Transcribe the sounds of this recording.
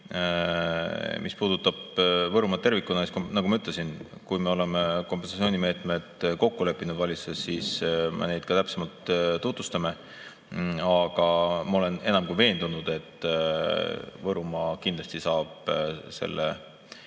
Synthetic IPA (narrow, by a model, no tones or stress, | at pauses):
mʔispuːd̪̥ut̪ːˑɑb̥vɤɾumɑt̪e̞rvikːˑunɑsknɑɡumɑyt̪ːˑle̞sin | kujme̞ole̞mekomp̬ːensɑt̪t͡ssio̞ːnʲime̞ːt̪me̞d̪̥ko̞kːule̞pːinud̪vɑlʲisesːiːsmḛne̞jd̪̥̚kɑt̪æpsemɑlt̪t̪ut̪vust̪ɑme̞ | ɑɡ̥ɑmɑo̞le̞ne̞nɑmkuive̞ːnd̪unud̪̥e̞t̪ˑː | vɤɾumɑkind̪lɑst̪isɑːb̥se̞̰lːḛ